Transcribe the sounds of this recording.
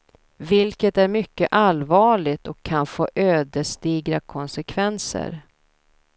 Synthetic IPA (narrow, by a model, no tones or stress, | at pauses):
vɪlkət̪æɾmʏkːəʔalvɑːɭɪɡt̪ɔkʰːanfoːʔøːd̪əʂt̪iːɡɾakʰɔnsɛkʰvɛnsə̰ɾ